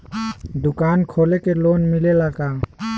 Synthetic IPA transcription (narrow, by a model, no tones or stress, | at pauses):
d̪ukankʰɔlɛkɛlɔnmilɛlaɡa